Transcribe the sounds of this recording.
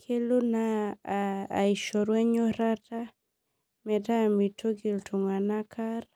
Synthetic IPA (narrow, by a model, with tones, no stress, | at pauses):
kʰe˦lo˦naː˨ | i˨ʃɔɾwɛ˦ɲo˦ɾata˦ | mɛta˦˨mitʰo˦ɡi˨ltʰu˨ŋa˨na˦kʰa˦r